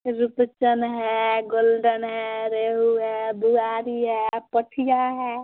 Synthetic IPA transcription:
ɾʊpt͡ʃənɦɛɡoːlɖənɦɛɾeːɦuɦɛbʊɡaːɾiɦɛpəʈʰijaɦɛː

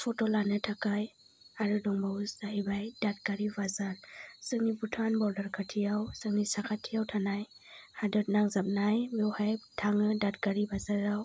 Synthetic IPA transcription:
pʰɔtolanɯtʰakaj | aɾɯdɔŋbawsaɦibajdat̚ɡaɾibazaɾsɯŋnibutʰanbɔɾdaɾkʰatʰijawsɯŋnisakʰatʰːijawtʰanaj | hadɔt̚naŋzap̚najmewhajtʰaŋɯdat̚ɡaɾibazaɾaw

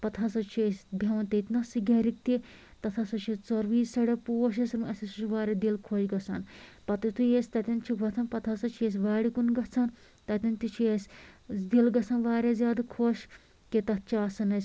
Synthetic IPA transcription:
pɐt̪ʰasɐt͡ʃʰiesʲb̪ʱɐʋɐnt̪ɐit̪nasiɡaːɾik̚t̪i | t̪ɐt̪ʰasɐt͡ʃʰit͡soɾʋiːzsɐɽepoːʃ̬esɾmɐsisut͡ʃʰuʋaːɾʲed̪ilkʰoʃɡɐt͡sʰa̰npɐt̪ɐt̪ʰujesʲt̪ɐt̪ʲɐnt͡ʃʰiʋɐt͡s̪ʰɐnpɐt̪ʰasɐt͡ʃʰies̬ʋaːɽikunɡɐt͡sʰan | t̪ɐt̪ʲɐnt̪it͡ʃʰiesʲd̪ilɡɐt͡sʰaːnʋaːɾezjaːd̪akʰoːʃ | ket̪ɐt̚t͡ʃʰaːsɐnɐsʲ

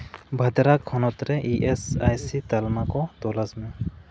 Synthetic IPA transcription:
bʱɐd̪ɾakʰːɔnɔt̪ɾɛʔiʔɛsa̰jsit̪almakɔt̪ɔlasmɛ

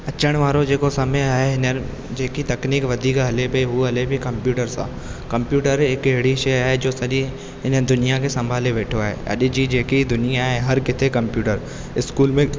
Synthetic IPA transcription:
ɐt͡ʃʰəɽ̃ʋaːɾõd͡ʒeːkosɐməjaeɦɪne | d͡ʒeːkit̪ɐkniːkʋɐd̪ʱiːkɦɐlepeɦuɐlebʱikɐ̃mpjuːʈəɾsa̰ | kɐ̃mpjuːʈəɾeːkeɦɽiʃeɦɛd͡ʒoːsɐɾi | ɦɪned̪ʊnijak̬esɐ̃mbʱaːlẽʋeːʈʰoɦɛ̰ɐ̰d̪ed͡ʒid͡ʒeːkid̪ʊnɪjaɦɛɦɐɾkɪt̪ʰekɐ̃mpjuːʈəɾ | ɪskuːlmẽ

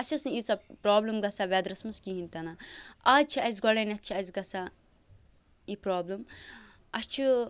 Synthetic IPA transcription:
ɐsʲɐsnɨit͡sɐpɾaːblɐmɡɐsaʋɛd̪ɾɐsmɐskʲiɦinʲt̪ɐnaaːt͡ʃʰiɐzʲɡɔɽɐnʲɐt̪̚ʲt͡ʃʰiɐzʲɡɐsa | ipɾaːblɐm | ɐst͡ʃʰi

